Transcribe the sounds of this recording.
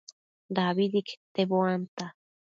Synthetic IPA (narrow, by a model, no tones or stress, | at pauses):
d̪aβid̪ikt̪eboant̪a